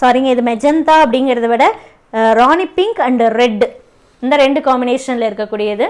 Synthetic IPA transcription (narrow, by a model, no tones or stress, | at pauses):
saːɾɪŋɡɐɪðɯmɛd͡ʒɐnd̪aːɐpːɐɽɪŋɡɪɾɐðɯʋɪɽɐ | ɾaːnipɪŋkɐɳɖɾɛɖ | ɪnd̪ɐɾɛɳɖɯkaːmbɪneːʂɐnɪlɪɾɯkːɐkːuːɽɪjɐðɯ